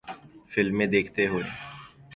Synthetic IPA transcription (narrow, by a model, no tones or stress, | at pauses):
fɪlmːẽːd̪eːkʰt̪eɦoːḛː